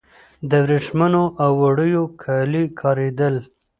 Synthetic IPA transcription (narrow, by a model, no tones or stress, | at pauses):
d̪əwɾeʂmanoʔawːaɽəjokʰalikʰɑɾed̪əl